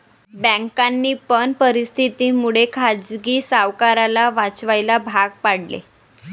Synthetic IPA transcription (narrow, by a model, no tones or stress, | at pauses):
bɛ̃ŋkanːiːpəɳpəɾist̪ʰit̪iːmuɭekʰad͡zɡiːsaʋkaɾalaʋat͡sʋajlabʱaɡ̚paɽlḛ